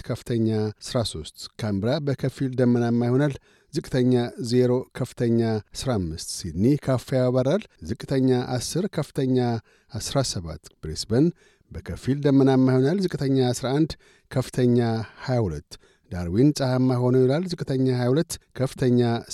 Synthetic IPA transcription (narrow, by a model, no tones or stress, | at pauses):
kʰəfɨt̪ʰəɲːasɨɾaso̞st̪ʼkʰambɾabəkʰəfild̪əmːənamːajho̞nal | zɨkʼːt̪ʰəɲːaze̞ɾo̞kʰəfɨ̥t̪ʰəɲːasɾamːɨst̪sid̪nikʰafejaβaɾalzɨkʼɨt̪ʰəɲːaʔasːɨɾkʰəfɨ̥t̪ʰəɲːa | asɾasəβa̰t̪b̥ɾesbən | bəkʰəfild̪əmːənamːajhonalzɨkʼɨt̪ʰəɲːasɾaʔand̪ | kʰəfɨ̥t̪ʰəɲːahajahulət̪ː | d̪aɾwinsʼəhamːajho̞nojilalzɨkʼɨt̪ʰəɲːahajahulət̪ːkʰəfɨ̥t̪ʰəɲːa